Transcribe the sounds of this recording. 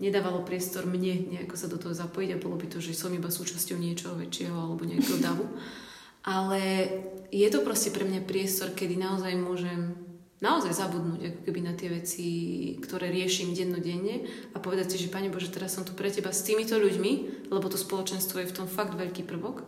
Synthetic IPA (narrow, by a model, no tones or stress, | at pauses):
ɲɛd̪aːʋalɔpɾɪɛst̪ɔɾmɲɛɲɛakɔsad̪ɔt̪ɔɦɔzapɔjiɟabɔlɔbit̪ɔʒɛsɔmibasuːt͡ʃascɔʊɲɪɛt͡ʃɔɦɔʋɛ̰t͡ʃɪɛɦɔalɛbɔɲɛakɛɦɔd̪aʋu | ʔalɛ | jɛt̪ɔpɾɔscɛpɾɛmɲapɾɪɛst̪ɔɾkɛd̪inaɔzajmʊɔʒɛm | naɔzajzabud̪nuːɟakɔ̥kɛbinat̪ɪɛʋɛt͡sikt̪ɔɾɛːɾɪɛʃimɟɛd̪nɔɟɛɲːɛ | apɔʋɛd̪acsiʒɛpaɲɛbɔʒɛt̪ɛɾasːɔmt̪upɾɛcɛbast̪iːmit̪ɔʎuɟmilɛbɔt̪ɔspɔlɔt͡ʃɛnst̪ʋɔjɛft̪ɔmfaɡd̪ʋɛʎkipr̩ʋɔk